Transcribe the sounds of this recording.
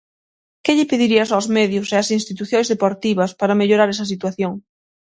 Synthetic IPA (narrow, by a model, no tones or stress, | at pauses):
kɪʎɪpeðiɾiɐsawzmɛðjʊseɐsinst̪it̪uθjoŋzðepoɾt̪iβɐspaɾɐmeʎoɾaɾɛsɐs̬it̪waθjoŋ